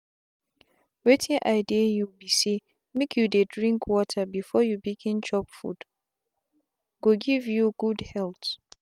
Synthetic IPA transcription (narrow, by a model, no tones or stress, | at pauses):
wetʰĩʔaɪdijubise | mekʰjudedɹĩŋkʰwɔtʰabifɔjubiɡĩnt͡ʃɔpfṵd̥ | ɡ̥oɡivjuɡ̥udhɛlt